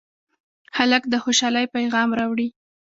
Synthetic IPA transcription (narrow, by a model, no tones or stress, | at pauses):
haləkd̪əxoʃɑlajpajɣɑmɾɑwɽi